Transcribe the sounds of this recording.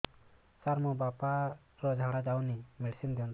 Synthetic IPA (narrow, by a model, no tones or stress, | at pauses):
t͡ʃaɾmɔbapa | ɾɔd͡ʒʱaɽad͡ʒawnimiɽsind̪iɔnd̪